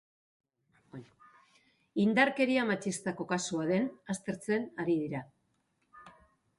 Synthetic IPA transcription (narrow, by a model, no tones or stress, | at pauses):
ind̪aɾke̞ɾiamat͡ʃist̪ako̞kasuað̞e̞nast̪e̞ɾt͡se̞naɾið̞iɾa